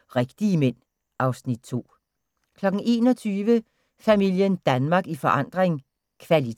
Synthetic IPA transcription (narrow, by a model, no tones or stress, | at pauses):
ʁeɡ̥d̥iəmen̰ | ʔɑ̈ʊsnid̥̚t͡sʰo̝̰ː | kʰlɒ̽ɡ̥n̩ʔe̝ːnɒt͡sʰyːʋə | fæmil̰jənd̥ænmɑ̈ːɡ̥ifɒ̽ʔɑ̈n̰d̥ʁeŋ | kʰʋæli